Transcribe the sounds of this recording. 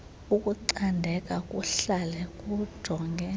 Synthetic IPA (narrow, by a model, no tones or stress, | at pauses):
ukʼuǀandʱɛkʼakʼuɬalɛkʼu̥d̥ʱɔŋɡʱɛ